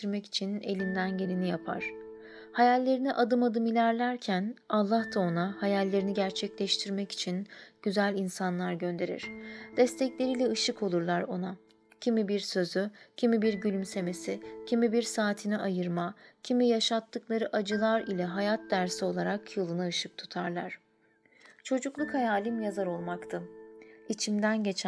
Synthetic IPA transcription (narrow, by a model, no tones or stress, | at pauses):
iɾmɛci̥t͡ʃʰine̞̰lʲind̪ænɟe̞lʲinijapʰa̰ɾ̥ | hajalʲːe̞ɾiniʔad̪ɯmad̪ɯmilʲæɾlʲæɾcʰænalˠːaht̪ʰao̞nahajalʲːe̞ɾiniɟæɾt͡ʃʰɛclʲɛʃt̪ʰiɾmɛci̥t͡ʃʰinɟ̥yzælʲinsanlˠaɾɟø̞nd̪e̞ɾḭɾ̥d̪̥ɛst̪ʰɛclʲe̞ɾilʲɛɯʃɯkʰolˠuɾlˠaɾo̞na | cʰimibiɾsø̞zycʰimibiɾɟylʲymse̞me̞sicʰimibiɾsaːt̪ʰinɛʔajɯɾmacʰimijaʃat̪ːɯklˠaɾɯʔad͡ʒɯlˠaɾilʲɛɦajat̪̚d̪æɾsio̞lˠaɾakjolˠunaɯʃɯk̚t̪ʰu̥t̪ʰaɾlˠa̰ɾ̥ | t͡ʃʰo̞d͡ʒuklˠukhajaːlʲimjazaɾo̞lˠmakt̪ʰɯit͡ʃʰimd̪ænɟe̞t͡ʃʰ